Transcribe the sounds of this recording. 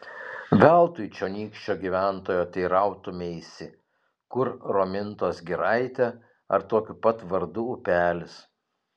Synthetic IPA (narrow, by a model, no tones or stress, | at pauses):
ʋʲælˠt̪ʊɪt͡ʃʲoːnʲiːkʃʲt͡ʃʲoːɡʲiːʋʲæˑnt̪oːjoːt̪ʲɐɪɾɐˑʊt̪ʊmʲɛɪsʲɪ | kʊɾɾoːmʲɪnt̪oːsɡʲɪɾɐɪt̪ʲɛ | ɐ̰ɾt̪oːkʲʊpɐt̪ʋɐɾd̪ʊʊpʲæːlʲɪs